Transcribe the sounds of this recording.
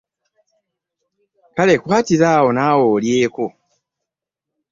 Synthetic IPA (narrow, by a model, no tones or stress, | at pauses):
kale̞kuatiɾaːwo̞naːwoːljeːko̞